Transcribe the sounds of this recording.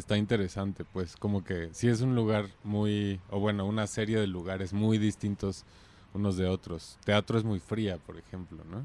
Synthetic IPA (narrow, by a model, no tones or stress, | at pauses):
est̪aint̪e̞ɾe̞sant̪e̞pwe̞sko̞mo̞ke̞sie̞s̬unluɣ̞aɾmujoβwe̞no̞unase̞ɾje̞ð̞e̞luɣaɾe̞zmujðist̪int̪o̞s | uno̞zðe̞o̞t̪ɾo̞st̪e̞at̪ɾo̞e̞zmujfɾiapo̞ɾe̞xe̞mplo̞̰no̞